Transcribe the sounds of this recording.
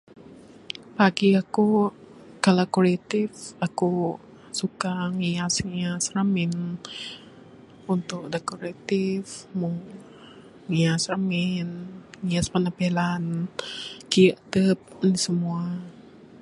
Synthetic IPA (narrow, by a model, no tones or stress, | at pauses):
paɡiaku | kalakolet̪ɪfaku | sukaŋiasŋiasramɪn | unt̪ʊk̚dekoɾet̪ifmʊŋ | ŋiasramɪnŋiaspənapelan | kiəʔt̪əp̚nisəmua